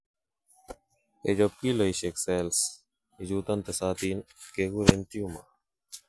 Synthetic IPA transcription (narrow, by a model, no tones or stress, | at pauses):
ed͡ʑop̚kilɐiɕeksels | izuːt̪ɐnt̪esaːt̪iːnkeɡuɾent̪ijuma